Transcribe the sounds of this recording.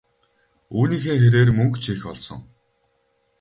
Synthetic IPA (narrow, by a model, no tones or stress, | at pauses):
uːniːxeːxeɾeːrmɵŋkt͡ɕʰixɔɮsɞ̰̆ŋ